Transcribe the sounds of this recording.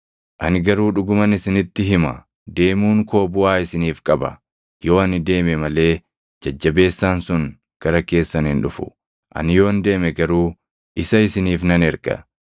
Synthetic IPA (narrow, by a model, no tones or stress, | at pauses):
ʔɐnɪɡɐɾuːᶑʊɡʊmɐnɪsɪnɪt̪ːɪɦɪmɐ | d̪e̞ːmuːŋko̞ːbʊaːɪsɪniːfkʼɐbɐ̰ | jo̞ːɐnɪd̪e̞ːmɛmɐle̞ː | d͡ʒɐd͡ʒːɐbe̞ːsːaːnsʊŋ | ɡ̥ɐɾɐke̞ːsːɐnɪnᶑʊfʊ̥̰ | ʔɐ̰nɪjo̞ːnd̪e̞ːmɛɡɐɾuː | ʔɪsɐɪsɪniːfnɐnɛɾɡɐ̰